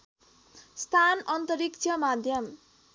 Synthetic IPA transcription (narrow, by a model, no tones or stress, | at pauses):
st̪ʰanʌnt̪ʌɾik̚t͡sʰʌmad̪ʱjʌm